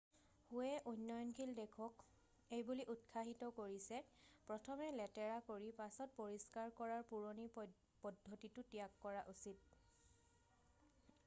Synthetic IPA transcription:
huɛʔujnːɔjɔnkʰildekʰɔk | ejbuliʔut̚kʰaɦitɔkoɹisɛpɹɔtʰɔmɛlɛtɛɹakoɹipasɔt̚poɹiskaɹkɔɹaɹpuɹoni | pɔdʱːotitʊtijakːɔɹaʔusit̚

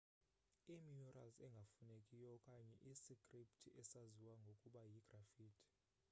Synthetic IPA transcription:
imiɔrʔalzɛŋɡʱafunekʼijɔkʼaɲɛʔisikʼriptʰiʔɛsaziwaŋɡʱokʼuɓajiɡ̥ʱrafiːtʰi̥

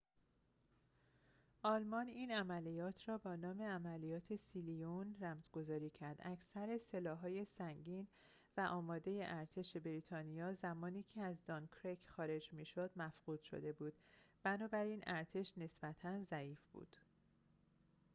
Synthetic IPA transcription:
ʔɒːlmɒniːnæmælijɒːt̪ʰrɒːbɒːnɒːme̞æmælijɒːt̪ʰe̞silijonɾæmzɡo̞zɒːɾiːcʰæɾd̪̥æcʰsæɾese̞lɒːɦɒːje̞sæŋɟiːn | væʔɒːmɒːd̪e̞je̞ʔæɾt̪ʰe̞ʃe̞bɾit̪ʰɒːnijɒːzæmɒːniːcʰe̞æzd̪ɒnkʰɾekʰxɒːɾe̞d͡ʒmiːʃo̞d̪̥mæfɢ̥uːd̪̥ʃo̞̰d̪e̞buːd̪̥b̥ænɒːbæɾiːnʔæɾt̪ʰe̞ʃne̞sb̥æt̪ʰænzæiːfb̥ṵːd̪̥

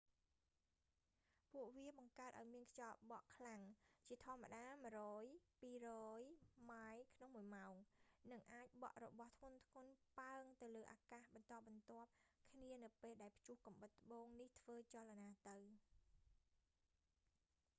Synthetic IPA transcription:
puəʔʋiəɓɑŋkaət̪̚ʔa̰ɔjmiənkʰt͡ɕɑːp̚ɓɑʔkʰlaŋt͡ɕiət̪ʰŏəmːa̰ɗaːmɨəɾɔːjpiːrɔːjmaːjkʰnoŋmuəjmaɔŋnɨŋʔaːc̚ɓɑ̰ʔrɔɓɑht̪ʰŋʊ̆ənt̪ʰŋʊ̆ənpaəŋt̪ɨwləːʔaːkahɓɑnt̪ɑːp̚ɓɑnt̪ŏəp̚kʰniənɨwpeːlɗaɛlpʰt͡ɕuhkɑmɓət̪ːə̆ɓoːŋniht̪ʰʋəːt͡ɕalanaːt̪ɨw

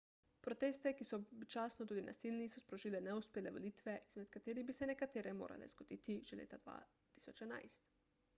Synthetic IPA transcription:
pɾɔt̪eːst̪ɛkisɔbit͡ʃaːsnɔt̪uːd̪ina̰silnisɔspɾɔʒiːlɛnɛuspeːlɛʋɔlit̪ʋɛʔizmɛt̪kat̪eːɾibisɛnɛkat̪eːɾɛmo̰ːɾa̰lɛ̰z̥ɡɔd̪̥ḭt̪iʒ̥ɛlḛːt̪ad̪ʋa̰ | t̪i̥sɔt͡ʃɛna̰jst̪

